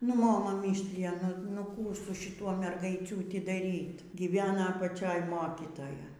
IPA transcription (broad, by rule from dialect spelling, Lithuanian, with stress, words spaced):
nʊ ˈmoːmɐ ˈmʲiːsʲlʲɪjɛ ˈnʊ nʊ ˈkuː sʊ ʃʲɪˈtuɔ mʲɛrɡɐɪˈt͡sʲuːtʲɪ dɐˈrʲiːt ɡʲiːˈʋʲæːnɐ ɐpɐˈt͡ʃʲoːj ˈmoːkʲɪtoːjɛ